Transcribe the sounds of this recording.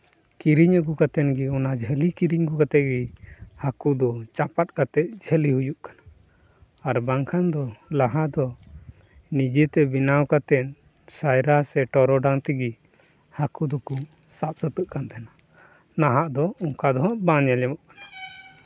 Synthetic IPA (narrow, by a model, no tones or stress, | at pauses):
kiɾiɲəɡukat̪ɛnɡiɔnad͡ʒʱəlikiɾiɲɡukat̪ɛʔ̪̚ɡihakud̪ɔt͡ʃapat̪̚kat̪ɛt̪̚d͡ʒʱəlihujuʔkanaː | ɾbaŋkʰand̪ɔlaɦaʔd̪ɔ | nid͡ʒɛt̪ɛbinawkat̪ɛn | sajɾasɛʈɔɾɔɖaŋt̪iɡi | hakud̪ɔku | sap̪̚sət̪əʔkant̪ʰɛna | naɦaʔd̪ɔɔŋkad̪ɔɦɔʔbãɲalɛmɔʔkanḁ